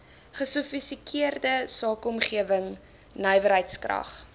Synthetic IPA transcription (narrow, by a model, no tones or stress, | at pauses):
χəsufistikʰiərdəsɑːkɔmχiəvəŋ | nœjvəɾɦəjtskrɐ̰χ